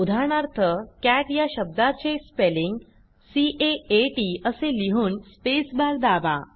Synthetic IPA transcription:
ud̪ʱaɳaɾt̪ʰəkæʈjaɕəb̚d̪at͡ɕespeliŋɡ | siʔeeʈiəseliɦuːnspesbaɾd̪aʋa̰

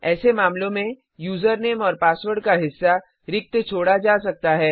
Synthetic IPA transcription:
ɛːsemaːmlõmẽ | juːzəɾneːmɔːɾpaːswəɾɖkaɦɪsːa | ɾɪk̚t̪t͡ʃʰoːɽad͡ʒaːsɐk̚t̪aɦɛː

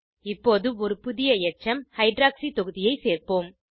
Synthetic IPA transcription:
ɪpːoːðɯɔɾɯpʊðɪjɐɛt͡ʃːɐmhɐɪɖɾaːksit̪ɔɣɯðɪjɐɪseːrpoːm

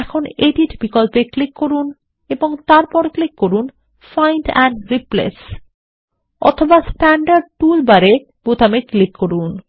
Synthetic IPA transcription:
ɛkʰoneʈiʈbikolpeklikːoɾun | eboŋt̪aɾpɔɾklikːoɾun | fajnʈɛ̰ɳɖɾiplḛs | ɔ̰t̪ʰobasʈɛɳɖaɾɖ̚ʈulbaɾe | b̥ut̪ameklikːoɾun

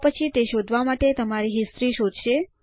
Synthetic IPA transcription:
pət͡ʃʰit̪eʃod̪ʱʋamaʈet̪əmaɾiɦist̪ɾiʃod̪ʱʃe

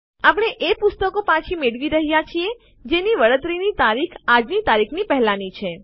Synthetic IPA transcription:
apəɳ̃eʔepʊst̪əkopãt͡ʃʰimeɽʋiɾəɦijat͡ʃʰie | d͡ʒeniʋəɭət̪ɾinit̪aɾikʰad͡ʒnit̪aɾikʰnipɛɦlanit͡ʃʰe

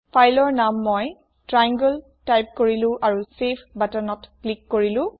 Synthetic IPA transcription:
pʰajlɔɹnamːɔj | tɹajaŋɡul | tajp̚koɹilʊ̃ʔaɹusepʰbatanɔtklikːoɹilʊ̃

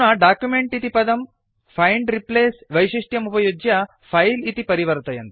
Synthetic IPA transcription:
nɐɖaːkjumeɳʈit̪ipɐd̪ɐm | pʰɐjɳɖɾipleːsʋɐjʃiʂʈjɐmupɐjod͡ʒjɐ | pʰɐjlit̪ipɐɾiʋɐɾt̪ɐjɐnt̪ɐ

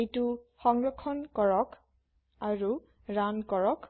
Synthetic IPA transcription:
ejtuxɔŋɹɔkʰɔnkɔɹɔk | aɹu | ɹankɔɹɔk

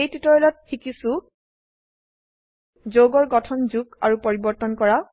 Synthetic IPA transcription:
ejtitɔɹɔlɔt̚xikisu | zoɡɔɹɡɔtʰɔnzuɡa̰ɹupɔɹibɔɹtɔnkɔɹa

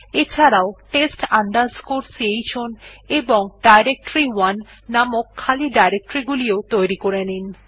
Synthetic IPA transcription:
et͡ɕʰaɾaoʈesʈand̪ad͡ʑkoɾsiejt͡ɕʰoneboŋɖajɾek̚ʈɾiwanː | amokʰːaliɖajɾek̚ʈoɾiɡuliot̪ojɾikoɾenin

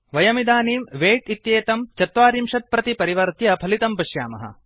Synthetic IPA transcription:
ʋɐjɐmid̪aːniːmʋeːʈit̪jeːt̪ɐmt͡ʃɐt̪ʋaːɾimʃɐt̪̚pɾɐt̪ipɐɾiʋɐɾt̪jɐpʰɐlit̪ɐmpɐʃja̰ːmɐ̰ɦɐ̰

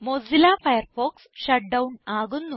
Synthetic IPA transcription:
mozilaːfɐjɐrfoːksɕɐʈ̚ɖɐwnaːɣunːu

